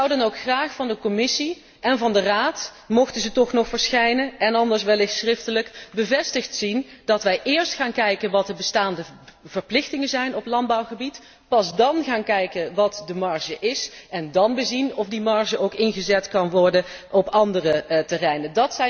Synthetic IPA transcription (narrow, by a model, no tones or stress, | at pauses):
wdənowkχraːχfɑndəkɔmɪsi | ʔɛnvɑndəraːt | mɔχtəzətɔχnɔχfəɹsχɛjnənɛnɑndəɹsʋɛlɪxtsrɪftələkbəvɛstəχtsindɑtʋɛjʔɪːɹstχaːnkɛjkənʋɑtəbəstaːndəv̥əɹplɪxtɪŋəzɛjnɔplɑndbɑwχəbit | pɑzdɑnχaːnkɛjkənʋɑtdəmɑɹʒəʔɪsʔɛndɑnbəzinɔfdimɑɹʒəʔowkɪnχəzɛtkɑnʋɔɹdənʔɔpɑndərətərɛjnəndɑtsɛ